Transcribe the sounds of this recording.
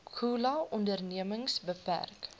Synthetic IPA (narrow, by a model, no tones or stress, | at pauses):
kʰuːlɐɔndərniəməŋsbəpæ̰rk